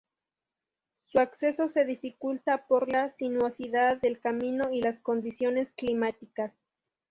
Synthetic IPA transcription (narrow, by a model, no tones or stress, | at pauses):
suakse̞so̞se̞ðifikult̪apo̞ɾlasinwosiðaðːe̞lkamĩno̞ilasko̞nd̪isjo̞ne̞sklimat̪ikas